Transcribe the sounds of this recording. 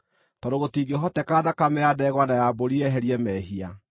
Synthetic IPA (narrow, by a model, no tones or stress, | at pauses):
tɔɾoɣotiːɡeɦɔtɛkaːðakamɛadɛːɣwanajaboɾiɛɦɛɾiɛmɛɦia